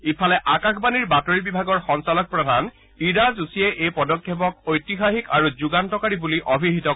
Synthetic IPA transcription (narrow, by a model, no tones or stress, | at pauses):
ipʰalɛʔakaxbaniɹbatoɹibibʱaɡɔɹxɔŋsalɔk̚pɹɔdʱan | iɹazusiɛʔejpɔdɔkʰːepɔk̚ojtixaxikaɹuzuɡantɔkaɹibuliʔobʱiɦitɔ